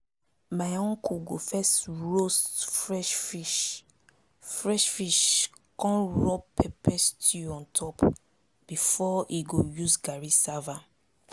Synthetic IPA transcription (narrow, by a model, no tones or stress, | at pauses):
majɔ̃ŋkuɡofɛstɹostfɹɛʃfiʃ | fɹɛʃfiʃ | kɔ̃nɹɔbpʰɛpʰɛstuɔ̃ntʰɔp | b̥ifɔʔiɡojuzɡaɹisava